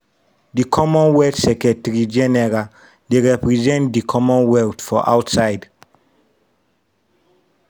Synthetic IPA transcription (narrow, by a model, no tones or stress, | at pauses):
dikʰɔmɔ̃nwɛtsɛkɛtɛɹid͡ʒɛnɛɹa | deɹɛpɹizɛ̃ntdikʰɔmɔ̃nwɛltfɔ̰ʔa̰wtsaɪd